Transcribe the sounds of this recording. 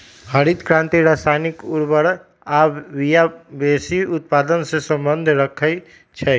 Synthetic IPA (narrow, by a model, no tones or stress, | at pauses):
həɾit̪kɾãnt̪iɾasajnikuɾbəɾ | abijabesiut̪̚pad̪ənsẽsəmbənd̪ʱɾəkʰəɪ | t͡ʃʰɛ